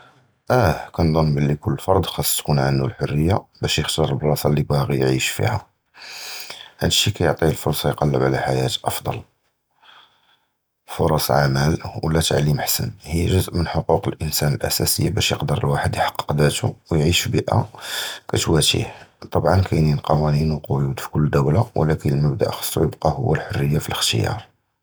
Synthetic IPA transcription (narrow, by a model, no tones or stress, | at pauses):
ʔækænd̪ˤɑmːbəlːikʊlːəfɑɾˤd̪ˤxɑsˤːt̪kunʕanːulħʊrːəjːabæʃjəxt̪ɑɾˤəlbɾˤɑsɑlːibæɣijʕiʃfḭhæ̰ | hænʃikæjoʕt̪ˤiəlfʊɾˤsˤɑjqɑlːəbʕlæħajæt̪ʔɑfd̪ˤɑ̰l | foɾˤɑsˤʕamælwlːæt̪ʕlimħsə̰nhijːʒʊzʔmənħoquqəlʔənsænəlʔæ̰sæsəjːabæʃjəqd̪əɾˤəlwaħəd̪jħɑ̥qːə̥qd̪æt̪uwjʕiʃfbiʔa̰kæt̪wæt̪ḭħt̪ˤɑbʕɑnkʰæjninqɑwæninwəqʊjud̪fi̥kʊlːd̪æwlawə̰lækənəlməb̚d̪a̰ʔxɑ̥sˤːṵjəbqɑhʊwːælħorːəjːafiləxt̪ə̰jɑ̰ɾˤ